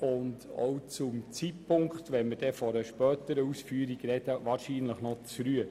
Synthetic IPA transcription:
ʊndɔ̰wt͡sʊmt͡sit̚pʰʊŋkt̪ʋɛnməɾd̥ɛfɔɾəʃpœːtəɾəusfyːəɾiɡɾɛdəʋɑːɾʃiːnləχnɔt͡sɾyə

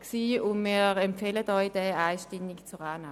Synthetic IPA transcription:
ksiːʊndmiːɐɾɛmpfeːlədɔjd̥ɛaɪʃtɪmikt͡suʁaːna

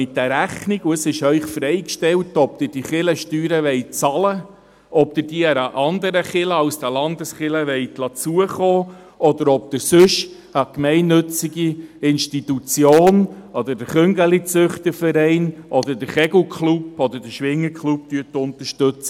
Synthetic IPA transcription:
mɪt̚d̥æɾæχniɡuəsɪʃœʏχfɾɛɪkʃtɛltɔpd̪ɪɾd̥iχɪləʃtyːɾəʋɛɪt͡sɑlə | ɔp̚d̪ɪɾdiəɾɑʔɑnd̪əɾəχɪləɑwsd̥̪ælɑnd̪əsχɪləʋɛɪtlɑt͡suəχoː | ʔɔd̪əɾɔp̚d̪ɪɾsɵʃhɑkmɛɪnːɵt͡siɡiɪnʃtitut͡sjoːnɔd̪ədəɾχʏŋɡəlit͡sʏχt̪əfəɾɛɪnʔɔd̪ədəɾχɛɡukʰlupɔd̪ədəʃʋɪŋːəɾkχlup̚t̪yətːʊnt̪əɾʃtøt͡sə

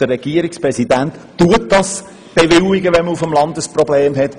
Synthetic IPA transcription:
d̥ərːɛɡ̥iəɾɪkspɾɛsidæntːuətd̥ɑs | b̥evɪliɡəʋɛnməufəmlɑndəsprɔbleːmɦɛt

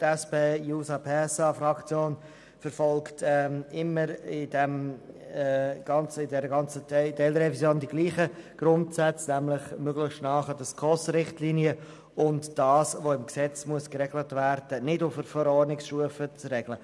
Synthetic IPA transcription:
tɛspeːjuːsɑpʰeːɛsɑfɾɑkt͡sjoːn | fəɾfɔlktɛɪmːəɾɪdɛm | ɡ̥ɑnt͡sɪdɛɾəɡɑnt͡sətdɛlɾɛvisjoːndiɡliːχəɡ̥ɾʊntsɛt͡snæmlɪχmøɡlɪχʃtnɑːχədəskʰɔsɾɪχtliːniə | ʊntd̥ɑːsvoɪmksɛt͡smuəskɾɛɡlətvæɾd̥ənɪdʊfəɾfɔɾɔːrnɪksʃtuəfət͡srɛɡlə

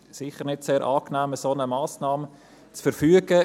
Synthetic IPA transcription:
sɪχəɾnɪtseːɾʔɑːknæːməsonəmaːsnɑːmə | t͡sfəɾfyːəɡə

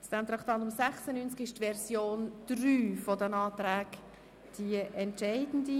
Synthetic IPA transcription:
sd̥ɛmt̪ɾɑχt̪ɑndʊmsɛχsənynt͡skɪʃtvɛɾsjoːnd̪̥ryːfɔdənɑːt̪ɾæːɡ | d̥iəʔɛntʃɛɪdən̩di

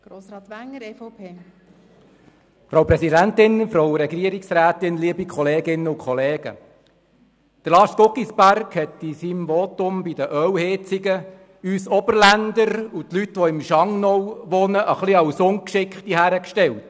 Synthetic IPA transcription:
ɡ̥ɾoːsɾɑːt̪ʋæŋəfopʰeː | fɾowpɾɛsidæntɪnfɾowɾɛɡɾiəɾiksɾæːt̪ɪnliəbikʰχɔleːɡɪnːəukχɔleːɡ̥ə̰ | d̥əɾlɑːskokisbærkhɛt̪isimʋɔt̪ʊmbidəʔœwhɪt͡sɪɡə | yːsɔbəɾlænd̪əɾutlytʋɔɪmʃɑŋnɔwʋɔnəʔəχliɑwsʊŋkʃɪkχt̪iɦæːɾəkʃtɛlt

